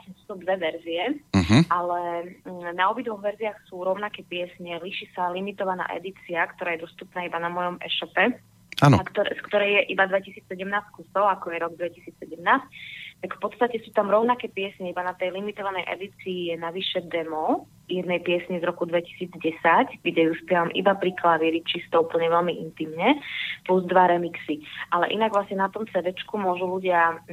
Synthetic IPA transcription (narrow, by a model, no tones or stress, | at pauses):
kɛnspɔsɔbd̪ʋɛʋɛɾziɛɦʔalɛ | naɔbid̪ʋɔɣʋɛɾziaxsuːɾɔʊnakɛpɪɛsɲɛliʃiːsalimit̪ɔʋana̰ːʔɛ̰d̪it͡siakt̪ɔɾaːjɛd̪ɔst̪upnaːibanamɔjɔmɛ̰ʃɔpɛ | aːnɔ̰kt̪ɔskt̪ɔɾɛjjɛʔibad̪ʋɛcisiːt͡ssɛɟɛmnaːskusɔʊakɔjɛɾɔɡd̪ʋɛcisiːt͡ssɛɟɛmnaːsct̪akfpɔt̪st̪acɛsuːt̪amɾɔʊnakɛːpɪɛsɲɛibanat̪ɛjlimit̪ɔʋanɛjʔɛ̰d̪it͡siːjɛnaʋiʃɛd̪ɛmɔ | jɛd̪nɛjpɪɛsɲɛzɾɔkud̪ʋɛci̥siːd͡zɟɛsacɡɟɛjuspɪɛʋamʔḭbapɾiklaʋɪɛɾit͡ʃist̪ɔupl̩ɲɛʋɛlmiʔint̪imɲɛpluzd̪ʋaɾɛmiksiʔalɛ̰ʔinaɡʋlasɲɛnat̪ɔmt͡sɛd̪ɛt͡ʃkumʊɔʒuluɟɪa